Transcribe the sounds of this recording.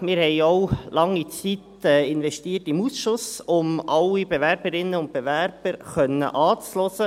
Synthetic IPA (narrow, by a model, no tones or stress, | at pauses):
mɪːɾhɛɪɔwlɑŋːit͡sit̪ | ɛːɪnvɛstiːərtɪmusʃʊsʊmʔɑlːibevæɾbəɾɪnːəʊnt̪̚b̥evæɾb̥əɾχœnːə̰ʔɑːt͡slɔsə